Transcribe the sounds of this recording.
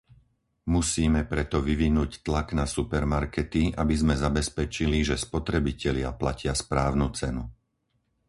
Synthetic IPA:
musiːmɛpɾɛt̪ɔʋiʋinuːct̪laɡnasupɛɾmaɾkɛt̪iabizmɛzabɛspɛt͡ʃiliʒɛspɔt̪ɾɛbicɛlɪaplacɪaspɾaːʊnut͡sɛnu

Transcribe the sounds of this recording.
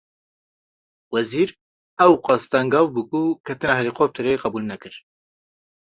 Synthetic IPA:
wɛziːɾ | ɛwqɑst̪ɑŋɡɑːwbɨkukʰɛt̪ɨnɑːɦɛliːqoːp̚t̪ʰɨɾeːqɑbuːlnɛkɨɾ

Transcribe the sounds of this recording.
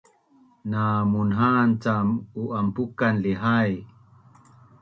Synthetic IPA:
namunɦant͡samuʔampukanliɦaj

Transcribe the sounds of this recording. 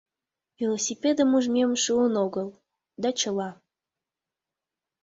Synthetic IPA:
vʲilˠosʲipʲed̪əmuʒmʲemʃuənoɣəlˠ | d̪ɑt͡ɕəlɑ

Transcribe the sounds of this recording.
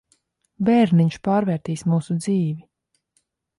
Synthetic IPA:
bɛɾniɲʃpaːɾvɛːɾt̪iːsmuːsud̪ziːvi

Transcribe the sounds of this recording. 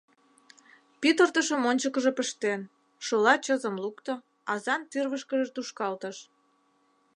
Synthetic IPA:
pit̪ərt̪əʃəmonʲt͡ɕəkə̆ʒepəʃt̪en | ʃolɑt͡ɕəzəmlukt̪o | ɑzɑnt̪yrβəʃkəʒet̪uʃkɑlt̪əʃ

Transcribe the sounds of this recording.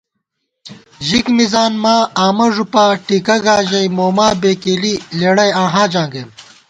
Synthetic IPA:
ʑikmizaːnmaːaːmɐʐupaːʈiːkɐɡaːʑɐimoːmaːbeːkeːlileːɽɐjãːɦãːd͡ʑãːŋɡeːm

